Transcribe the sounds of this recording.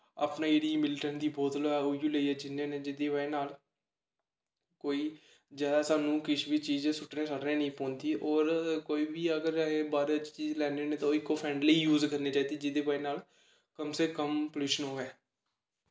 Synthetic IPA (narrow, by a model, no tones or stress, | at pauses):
aːpnaːjeːɽiːmɪlʈənd̪iːbɔːt̪loɛojuːləiːɛːd͡ʒɪnːẽːneːd͡ʒɪd̪eːʋaːeːnaːl | koːiː | zjaːd̪aːsaːnũːkɪt͡ʃʰbiːt͡ʃiːd͡ʒẽːsʊʈnẽːsəɽnẽːnəĩːpɔ̃ːnd̪iːʔɔːɾkoːiːbiːəɡəɾẽːbaːɾt͡ʃt͡ʃiːzlɛːneːnẽːt̪ãɪkːoːpʰɛ̃ːɳɖləiːjuːzkəɾneːt͡ʃaːiːd̪iːd͡ʒɪd̪eːbaːenaːl | kəmseːkəmpəluːʃənɦoːɛː